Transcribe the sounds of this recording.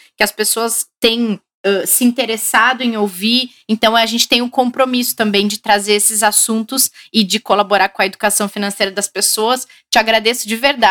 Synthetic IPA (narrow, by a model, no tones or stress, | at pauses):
kɪɐspesoɐst̪ẽj̃ | ɛsɪĩnt̪eɾesad̪ʊẽowvi | ẽnt̪ɐ̃w̃aʒẽnt͡ʃɪ̥t̪ẽj̃ʊkõpɾomisʊ̥t̪ɐ̃mbẽj̃d͡ʒɪt̪ɾazeɾesɪzasũnt̪ʊsɪd͡ʒɪkolaboɾaɾkõɐed̪ukasɐ̃w̃finɐ̃sejɾɐd̪ɐspesoɐs | t͡ʃɪaɡɾad̪esʊd͡ʒɪveɾd̪a